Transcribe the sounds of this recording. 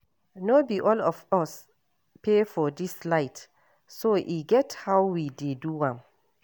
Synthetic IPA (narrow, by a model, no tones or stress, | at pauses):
nobiʔɔlɔfɔs | pʰefɔdislaɪt | soʔiɡɛthawwideduwãm